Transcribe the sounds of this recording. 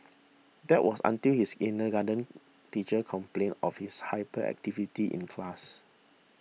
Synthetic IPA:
dɛʔwʔɔsã̰ntilhisinəɡadə̃n | tit͡ʃəkʰɔ̃mplẽnɔfhishaɪpəɛ̰k̚tivitiʔḭ̃nkʰlas

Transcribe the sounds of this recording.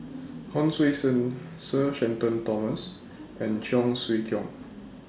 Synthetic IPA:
hɔ̃nswesə̃nsəʃɛ̃ntə̃ntɔməs | ɛ̃nd͡ʒɔ̃ŋswikʰjɔ̃ŋ

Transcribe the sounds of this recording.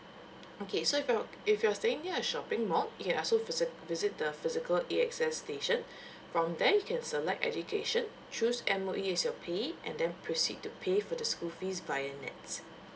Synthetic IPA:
okʰesoɪfja | ɪfjuasteɪ̃ŋniəəʃɔpɪ̃ŋmɔljukɛ̃nɔlsovɪzɪt̚dəfɪzɪkəleɛksɛsːteʃə̃n | fɹɔ̃mdɛjukʰɛ̃nsəlɛk̚tɛ̰d͡ʒukʰḛʃə̃n | t͡ʃusɛ̃məʔiɛsjɔpʰeʔɛ̰̃ndɛ̃npʰɹosḭd̚tupʰefɔdəskulfisvajənɛ̰ts

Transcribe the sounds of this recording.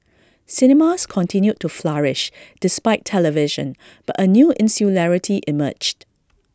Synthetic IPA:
sɪnɛmaskʰɔ̃ntʰɪ̃njud̚tːuflaɹɪʃd̥ɪspaɪtʰɛləvɪʒə̰̃n | b̥atənjuːʔɪ̃nsulɛɹɪtʰiʔɪmə̰d͡ʒd

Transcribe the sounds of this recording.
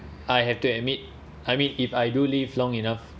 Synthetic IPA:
ʔajɦɛftuɛt̚mit̚ | ajmĩnifajdulivlɔ̃ŋinaf

